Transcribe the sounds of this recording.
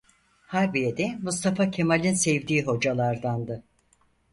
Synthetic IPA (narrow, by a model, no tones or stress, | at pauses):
haɾbijed̪ɛmust̪ʰafacʰemalʲinsɛvd̪iːɦo̞d͡ʒalˠaɾd̪and̪ɯ